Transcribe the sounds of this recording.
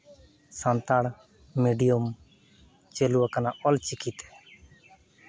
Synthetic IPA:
sant̪aɽ | miɖijom | t͡ʃeluakanaʔɔlt͡ʃikit̪ː

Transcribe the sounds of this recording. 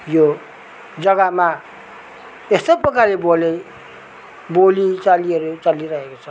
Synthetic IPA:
jo | d͡zʌɡama | est̪ʌpʌkalebole | bolit͡saliʌɾut͡saliɾʌɦekot͡sʰʌ

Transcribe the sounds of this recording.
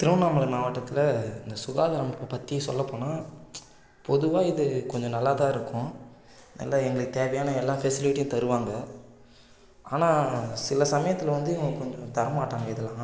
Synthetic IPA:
t̪ɪɾɯʋɐnaːmɐlɐmaːʋɐʈːɐt̪ːɪlɐɪnd̪ɐsʊɣaːðɐɾɐmpːɐpɐt̪ːijɐsɔ̰lːɐpːoːnaː | pɔðɯʋaːɪðɯkɔɲd͡ʒɔ̃nɐlːat̪ãːɪɾɯkːʊ̃ | nɐ̰lːaɛŋɡɐɭɯkːɯt̪eːʋɐjaːnɐɛlːãːfɛsɪlɪʈːɪjʊ̃t̪ɐɾɯʋaːŋɡɐ | aːnaːsɪlɐsɐmɐjɐt̪ːɪlɐʋɐnd̪ɯɛŋɡkɔɲd͡ʒɔ̃t̪ɐɾɐmaːʈːaːŋɡɐɪðɪlːãː

